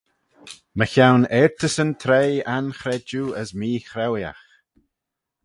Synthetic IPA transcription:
məçawnɛɹt̪ʰəsənt̪ʰɾejanxɾɛd͡ʒuːəsmiːxɾɛwja̰x

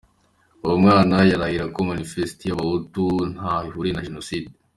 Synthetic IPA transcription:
uwumŋaːnajaɾahiɾakomanifestijaβahutun̥haβihuɾinaʒenosiːde

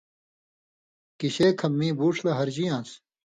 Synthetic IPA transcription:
kiɕeːkʰɐmːĩːbuːʈ͡ʂʰlɐɦɐɾd͡ʑijãːs

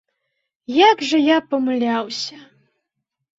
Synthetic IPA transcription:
jaɡʐɐjapɐmɨlʲawsʲɐ

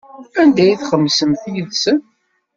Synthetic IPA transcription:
ænd̪æjiθχəmːsəmθjəðsən

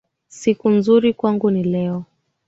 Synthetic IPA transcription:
sikunzuɾikwaŋɡunilɛɔ

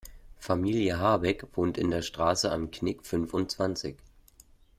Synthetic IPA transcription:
famiːljəɦaɐbɛkv̥oːntɪndeːɐʃtʁ̥aːsəa̰mkʰnɪkfʏnfʊntt͡sv̥ant͡sɪç

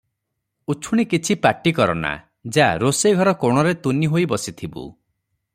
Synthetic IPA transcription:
ut͡ʃʰuɽ̃ikit͡ʃʰipaʈːikɔɾɔ̰na̰ | d͡ʒaɾosejɡʱɔɾɔkoɽ̃ɔɾet̪uniɦojbɔsit̪ʰibṵ

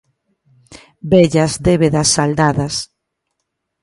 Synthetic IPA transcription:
bɛʎazd̪eβeðɐsːald̪aðɐs

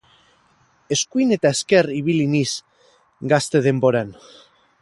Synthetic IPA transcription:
e̞skuine̞t̪aeske̞riβiliniz | ɡast̪e̞ð̞e̞mbo̞ɾan

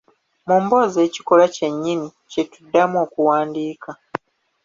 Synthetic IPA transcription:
muːmbo̞ze̞ːci̥ko̞lace̞ɲːini | ce̞tudːamo̞ːkuwaːndiːka

